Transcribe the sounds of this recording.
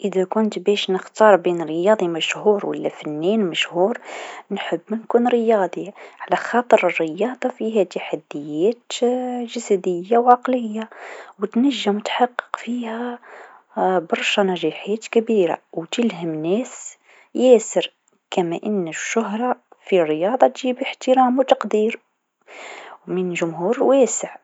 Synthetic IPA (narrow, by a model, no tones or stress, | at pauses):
ʔəd̪ækʊnt̪bæʃnəxt̪ɑɾˤbinɾəjɑd̪ˤimæʃhuɾwə̰lːæ̰fænːinmæʃhuɾnħəbːnkunɾəjɑd̪ˤiʕlæxɑt̪ˤəɾərːəjɑd̪ˤɑfiɦæt̪aħad̪ːəjæt̪ʒəsæd̪əjːawʕɑqləjːawət̪næʒːəmʊt̪ħɑqːə̥qfihæ | bɑɾˤʃanæʒiːħæːt̪kabiːɾa̰wt̪ɪlɦæmnæːs | jæːsəɾ | kæmæʔɪnːɪʃːʊɦɾˤɑfirːɪjɑːd̪ˤɑt̪ʒiːbəħt̪əɾɑːmwt̪ɑqd̪iːɾ | wmɪnʒʊmɦuːɾwæːsəʕ